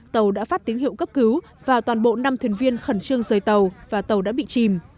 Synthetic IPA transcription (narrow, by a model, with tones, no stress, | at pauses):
t̪ə˨˩wɗa̰ː˧˥faː˦˥t̚t̪i˨˦ŋhḭ˧˨wkə˦˥p̚kɨ˨˦w | vaː˨˩t̪waː˨˩nɓo̰˧˨na˧mt̪ʰwi˨˩ənvi˧ənxə˧˩nt͡ɕɨ˧əŋzəː˨˩jt̪ə˨˩wvaː˨˩t̪ə˨˩wɗa̰ː˧˥ɓḭ˧˨t͡ɕi˨˩m